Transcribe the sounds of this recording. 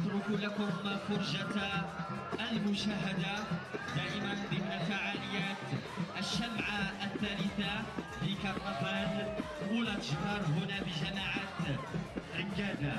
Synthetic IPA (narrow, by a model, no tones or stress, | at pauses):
ʔɑt̪ɾʊkulakʊmfʊɾˤʒat̪ː | lmʊʃaɦːad̪ad̪aːʔɪmand̪ˤɪmnalfaʕaːlɪjaːt̪ | ʔaʃːabʕaθːaːlɪθa | fikɑɾˤmɑfɑːn | ulat̪ʒbɑːɾˤɦʊnabɪʒamaʕat̪ | ʔɪnɡaːza